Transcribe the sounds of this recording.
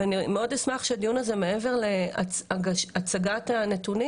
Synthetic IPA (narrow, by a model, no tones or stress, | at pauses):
animeo̞desmaχʃead̪ijunaze̞me̞eve̞ʁle̞a̰aɡaʃat͡saɡatane̞tuni